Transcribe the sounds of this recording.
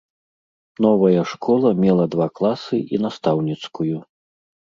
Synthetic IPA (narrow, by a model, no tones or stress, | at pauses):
nɔvɐjɐʂkʰɔlˠɐmʲɛlˠɐd̪vaklˠasɨʔinast̪awnʲit̪skuju